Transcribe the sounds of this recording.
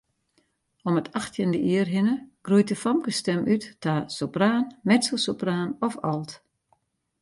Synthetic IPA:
ɔmətʰaxtʰjəndəʔiərɦɪnəɡ̥rujt̚dəfɔmkəstɛmʔytːaːsopraːnmɛtsosopraːnɔfɔlˠt

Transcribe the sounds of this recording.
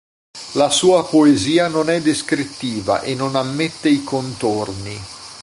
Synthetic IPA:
lasuːapoeziːanonɛd̪eskɾit̪ːiːva̰ʔenonamːet̪ːeikont̪orni

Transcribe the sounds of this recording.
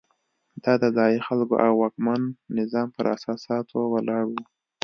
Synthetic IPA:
d̪ɑd̪əzɑjixalko̰ʔawːɑkmanːɪzɑmpə̰ɾa̰sɑsɑt̪ʰowəlɑɽwu

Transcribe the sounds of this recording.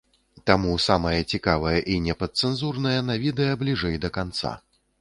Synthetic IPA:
t̪amusamɐjɐt͡sʲikavɐjɐʔinʲɛpɐt̪̚sɛnzurnɐjɐnɐvʲid̪ɛjɐblʲiʐɛjd̪ɐkant̪sa̰

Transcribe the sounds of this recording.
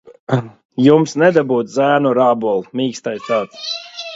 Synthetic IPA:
jumsnɛd̪abuːt̪zæːnɔɾaːbuɔlˠmiːkst̪ajst̪aːt̪s

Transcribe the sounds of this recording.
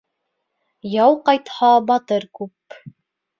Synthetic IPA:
jɑwqɑjt̪hɑbɑt̪ɤɾkʉp

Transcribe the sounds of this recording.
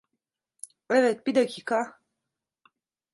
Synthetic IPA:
əvet̪̚pid̪əkika

